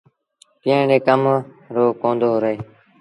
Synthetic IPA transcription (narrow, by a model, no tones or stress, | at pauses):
kɪə̃ɖeːkəm | ɾoːkõːnd̪oːɦɾəeː